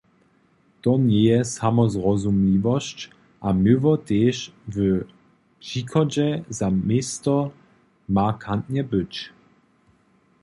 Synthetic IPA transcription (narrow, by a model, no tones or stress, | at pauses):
t̪ɔnjɛjɛsamɔzʁɔzumlivɔst͡ɕ | ʔamjɵvɔt̪eːʃvə | pʂixɔd͡ʑɛzamest̪ɔ | makʰant̪ɲɛbɘt͡ɕ